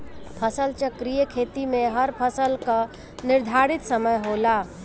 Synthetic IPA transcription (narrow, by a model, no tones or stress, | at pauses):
pʰəsəlt͡ʃəkɾijəkʰeːt̪imẽɦəɾpʰəsəlka | nɪɾd̪ʱaɾit̪səməjɦola